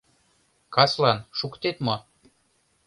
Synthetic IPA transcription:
kɑslɑnʃukt̪et̪mo

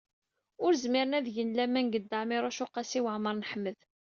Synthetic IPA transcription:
ʊɾzmɪɾənæðʝənlæmænɡəd̪ːəʕmiɾˤʊʃʊqːɑsiwəʕməɾˤnħmːəð

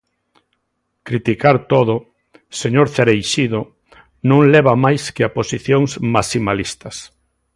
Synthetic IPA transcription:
kɾit̪ikaɾt̪oðʊ | seɲoɾθeɾejʃiðo | nõŋlɛβamajskeaposiθjoŋsmasimalist̪ɐs

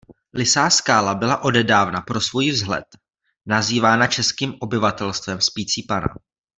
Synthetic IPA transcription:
lɪsaːskaːlabɪlaʔo̞dɛdaːvnapɾo̞svojivzɦlɛ̰t̪ | naziːvaːnat͡ʃɛskiːmʔo̞bɪvat̪ɛlst̪vɛmspiːt͡siːpana̰

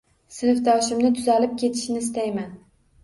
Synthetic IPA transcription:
sɪnɪfd̪ɒʃɪmnɪt̪ʰʊzalɪp̚kʲʰe̞t̪ʰɪ̥ʃnɪst̪ajman

